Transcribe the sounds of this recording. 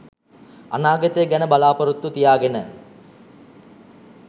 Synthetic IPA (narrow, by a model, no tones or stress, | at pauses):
a̰naːɡət̪əjəɡænəbalaːpɐɾut̪ːut̪ijaːɡenə